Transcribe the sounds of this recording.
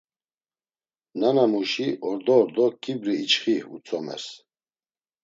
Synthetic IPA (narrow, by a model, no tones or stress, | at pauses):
nanamuʃiʔɔɾd̪ɔːɾd̪ɔkʰibɾiːt͡ʃχihṵt͡sʰɔmɛ̰s